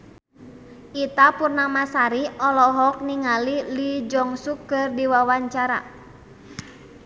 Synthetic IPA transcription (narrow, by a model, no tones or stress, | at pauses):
ʔit̪apurnamasaɾiɔlɔɦɔk̚niŋalilid͡ʒɔŋsukːɨrdiwawaɲt͡ʃaɾa̰